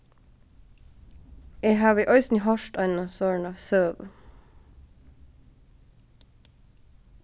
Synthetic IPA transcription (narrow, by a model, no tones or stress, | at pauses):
eːɦɑːʋəʔœʏsniɦɑʃtɑɪnɑsøːɳɑʋsøːʋə̰